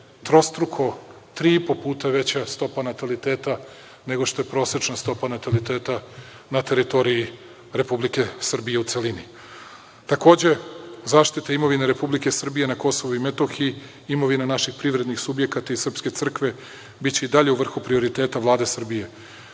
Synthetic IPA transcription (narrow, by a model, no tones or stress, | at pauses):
t̪ɾo̞st̪ɾukʰo̞ | t̪ɾiːipopuːt̪aʋe̞t͡ɕast̪o̞panat̪alit̪eːt̪a | ne̞ɡoʃt̪o̞je̞pɾo̞ːsɾet͡ʃnast̪o̞panat̪alit̪eːt̪a | nat̪e̞ɾit̪o̞ɾiji | ɾe̞publike̞sr̩bijeut̪selini | t̪ako̞ːd͡ʑe̞zaːʃt̪it̪aimo̞ʋineɾe̞publike̞sr̩bije̞nako̞so̞ʋuimet̪o̞xi | imo̞ʋinanaʃixpɾiʋɾe̞d̪nixsubje̞kat̪aisr̩pske̞t̪sr̩kʋe̞ | bit͡ɕe̞id̪aʎe̞uʋr̩xupɾio̞ɾit̪e̞ːt̪aʋlˠaːd̪e̞sr̩bije̞